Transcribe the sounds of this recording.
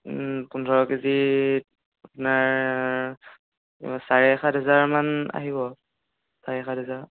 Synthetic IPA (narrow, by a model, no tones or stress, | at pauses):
kundʱɔɹɔkizi | apunaɹ | saɹɛːxadʱɦɛzaɹmana̰ɦiβɔ | saɹɛɛxadɦɛzaɹ